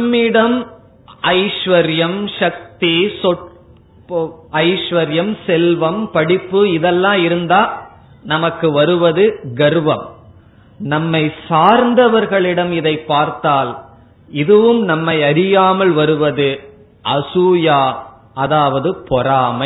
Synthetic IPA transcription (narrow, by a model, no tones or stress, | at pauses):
mːɪɽɐm | ɐɪʂʋɐɾjɐmʂɐk̚t̪isɔ | ɐɪʂʋɐɾjɐmsɛlʋɐmpɐɽɪpːɯɪðɛlːãːɪɾɯnd̪aː | nɐmɐkːɯʋɐɾɯʋɐðɯɡɐɾɯʋɐm | nɐmːɐɪsaːɾnd̪ɐʋɐɾɣɐɭɪɽɐmɪðɐɪpːaːɾt̪aːl | ɪðɯʋɯmnɐmːɐɪɐɾɪjaːmɐlʋɐɾɯʋɐðɯ | ʔɐsuːjaː | ɐðaːʋɐðɯpɔɾaːmɐ